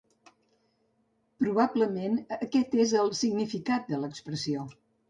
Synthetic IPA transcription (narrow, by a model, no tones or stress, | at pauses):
pɾuβ̞abləmenəkɛt̪ezəlˠsiɡnifikat̪̚d̪ələkspɾəsio